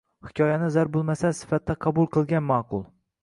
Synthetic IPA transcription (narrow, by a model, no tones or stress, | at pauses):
hɪkʲʰɒjanɪzaɾbolˠmasasɪ̥fat̪ʰːaqʰɑbʊlˠqʰɨlˠɡʲanmɑːqʰʊlˠ